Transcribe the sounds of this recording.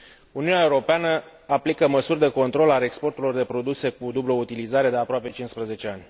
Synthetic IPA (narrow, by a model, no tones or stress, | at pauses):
uniunʲae̞uɾo̞peanə | aplikəməsurʲd̪e̞ko̞nt̪ɾo̞lalekspo̞rt̪ulo̞rd̪e̞pɾo̞d̪use̞kud̪ublout̪ilizaɾe̞d̪eapɾoape̞t͡ʃinspɾəze̞t͡ʃe̞anʲ